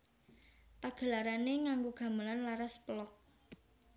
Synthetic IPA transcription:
paɡ̥ə̤laɾaneŋaŋɡuɡ̥a̤məlanlaɾaspəlɔk̚

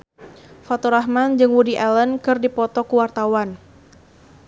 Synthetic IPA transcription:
fat̪ɔɾaɦmand͡ʒɨŋwudiʔɛlənkɨrdipɔt̪ɔkuwart̪awan

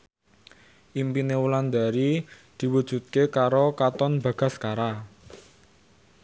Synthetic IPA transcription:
ʔimpineuland̪aɾi | d̪̥i̤wud̥ʒ̥ṳt̪̚kekaɾokat̪ɔnba̤ɡ̥a̤skaɾa

